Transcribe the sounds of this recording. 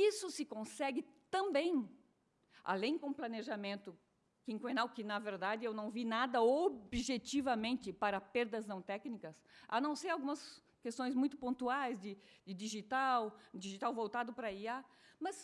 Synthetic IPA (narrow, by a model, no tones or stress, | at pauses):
isʊsɪkõsɛɡɪt̪ɐ̃mbẽj̃ | a̰lẽj̃kõplɐneʒamẽnt̪ʊ | kĩŋkwenawkɪnɐveɾd̪ad̪ɪewnɐ̃w̃vinad̪ɐobʒet̪ivɐmẽnt̪ɪpaɾɐpeɾd̪ɐznɐ̃w̃t̪ɛknikɐsa̰nɐ̃w̃sejawɡũmɐs | kest̪õj̃zmũj̃t̪ʊpõnt̪uajzd̪ɪd̪ɪd̪iʒit̪awd̪iʒit̪awvowt̪ad̪ʊpɾɐiamɐs